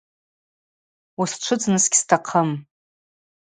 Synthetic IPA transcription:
wusʈ͡ʂʷʰʊd͡znɨsɡʲstʰaqʰəm

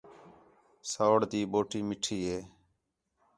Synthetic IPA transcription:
saːɽd̪iːɓoːʈiːmɪʈʰiːɦeː

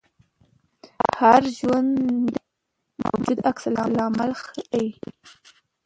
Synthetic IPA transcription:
haɾʒwand̪d̪ | ma̰wd͡ʒud̪aksalɑlɑmalxəawi

